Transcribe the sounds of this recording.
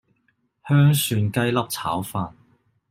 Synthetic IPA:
hœː˥ŋsyː˧nkɐ˥jlɐ˥p̚t͡sʰa̰ː˨˥wfaː˧n

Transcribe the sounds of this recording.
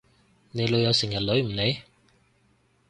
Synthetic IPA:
ne˨˧jlɵ˨˧ɥjɐ˨˧wsɪ˨˩ŋjɐ˨t̚lɵ˨˧˥ɥm̩˨˩ne˨˧j

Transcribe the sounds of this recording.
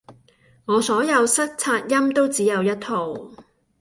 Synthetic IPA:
ŋɔː˨˧sɔː˨˥jɐ˨˧wsɐ˥k̚t͡sʰaː˧t̚jɐ˥mt̪o˥wt͡siː˨˥jɐ˨˧wjɐ˥t̚t̪ʰo˨w

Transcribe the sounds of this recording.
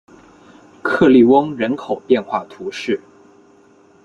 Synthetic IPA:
kʰɤ˥˧li˥˩wɤ˥ŋɻə˧˥nkʰo˨˩ʊpjɛ˥˧nxwa˥˩t̪ʰu˧˥ʂɻ̩˥˩

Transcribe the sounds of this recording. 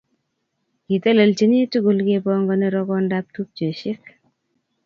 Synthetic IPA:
ki˨te˦lə˨lt͡ʃi˦ni˦tu˦ɡu˨lkepɔŋɡɔneɾɔkɔndap̚tup̚t͡ʃe˨ʃɪ˦k

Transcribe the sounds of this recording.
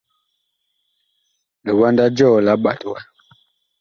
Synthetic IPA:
lə˨wa˦nda˦d͡ʒɔ˦˨la˨˦ɓa˨twa˦

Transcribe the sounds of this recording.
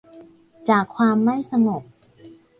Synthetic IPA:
t͡ɕaː˨˩kʰːwaː˧mːa˥˩jsa˧ŋo˨˩k̚

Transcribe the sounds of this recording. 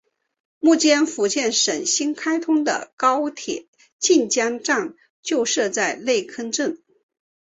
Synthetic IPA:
mu˥˩t͡ɕjɛ˥nfu˧˥t͡ɕjɛ˥˩nʂə˨˩nɕi˥nkʰa˥ɪt̪ʰʊ˥ŋd̪ə̰˨kɑ˥ʊt̪ʰjɛ˨˩˦ | t͡ɕi˥˧nt͡ɕjɑ˥ŋʈ͡ʂɑ˥˧ŋ | t͡ɕjo˥˧ʊʂɤ˥˧t͡sa˥˧ɪle˥˩ɪkʰə˥nʈ͡ʂə˥˩ŋ

